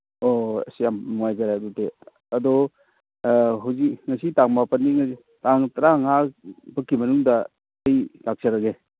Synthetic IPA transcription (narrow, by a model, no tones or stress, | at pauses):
oɐ̰sjamnuŋajzaɾadute | ɐdɔ | ɦawzikŋɐsitaŋmapɐnːiŋ | taŋtɐɾaŋakbɐkːimɐnuŋdɐ | ɐjtak̚saɾaɡe